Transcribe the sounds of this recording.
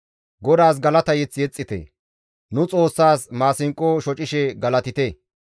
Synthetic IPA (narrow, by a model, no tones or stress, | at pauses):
ɡɔd̪aːs̬ɡɐlɐt̪ɐjɛt͡sːjɛt͡sʼːɪt̪ɛ̰ | nʊt͡sʼo̞ːsːaːsmaːsɪŋkʼːoʃɔt͡ʃʼɪʃɛɡɐlɐt̪ɪt̪e